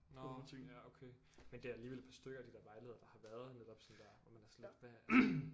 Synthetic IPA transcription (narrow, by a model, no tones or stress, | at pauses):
neæokʰe | mend̥e̝æɐæliːʋel̰̥pʰɑ̈sd̥øɡ̥ɐæd̥id̥æɐʋɑ̈ɪlie̝ð̰ˠɐd̥ɑ̈hɑ̈ʋæɐð̞ˠned̥ɒ̽b̥sɔ̽nd̥æɐʋɒmænæɐsled̥ʋæ